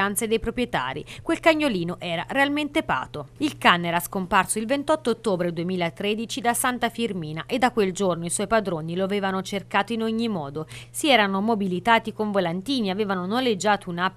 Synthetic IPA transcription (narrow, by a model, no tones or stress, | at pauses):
ant̪sed̪ejpɾopɾjet̪a̰ːɾḭkwelkaɲːoliːnoʔɛːɾaɾealment̪epa̰ːt̪oilkanːɛːɾaskomparsoilvent̪ɔt̪ːoːt̪ːoːbɾed̪uemiːlaet̪ːɾed̪it͡ʃid̪asant̪afirmiːnaʔed̪ːakːweld͡ʒornoiswɔjpad̪ɾoːniloaveːvanot͡ʃerkaːt̪oinoɲːimɔːd̪osiɛːɾanomobilit̪aːt̪ikoɱvolant̪iːniaveːvanonolːed͡ʒːaːt̪ouna